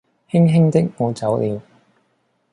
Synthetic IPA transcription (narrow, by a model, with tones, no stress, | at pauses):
hɪ˥ŋɦɪ˥ŋt̪ɪ˥k̚ŋɔː˨˧t͡sɐ˨˥wliː˨˧w